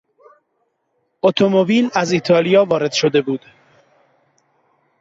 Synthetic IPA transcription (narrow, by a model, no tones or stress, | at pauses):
ot̪ʰomobiːlæzit̪ʰɒːlijɒːvɒːɾe̞d̪̥ʃod̪e̞buːd̪̥